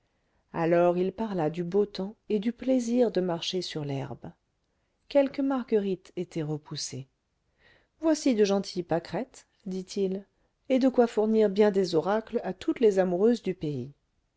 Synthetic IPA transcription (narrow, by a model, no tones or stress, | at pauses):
a̰lɔʁilpaʁlad̪ybot̪ɑ̃ed̪ypleziʁd̪əmaʁʃesyʁlɛ̰ʁb | kʲɛlkəmaʁɡəʁit̪et̪ɛʁəpuse | vwasid̪əʒɑ̃t̪ʰijpakχɛt̪ | d̪it̪ʰil | ed̪əkwafuʁniʁbjɛ̃d̪ezɔʁaklat̪ʰut̪lezamuʁøzd̪ypei